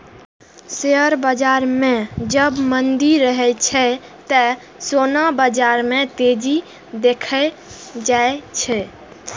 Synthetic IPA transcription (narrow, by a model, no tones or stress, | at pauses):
seəɾbəd͡ʒaɾmẽd͡ʒəbmənd̪iɾːəɦɛt͡ʃʰɛt̪ə | sonabəd͡ʒaɾmẽt̪ed͡ʒi | d̪ekʰə | d͡ʒaet͡ʃʰɛ